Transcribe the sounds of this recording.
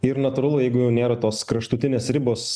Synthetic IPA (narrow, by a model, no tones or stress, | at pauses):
ɪɾnɐt̪uɾɐlˠʊjɛɪɡʊjɛʊnʲeːɾɐt̪oːskɾɐʃt̪ʊt̪ʲɪnʲeːsɾʲɪboːs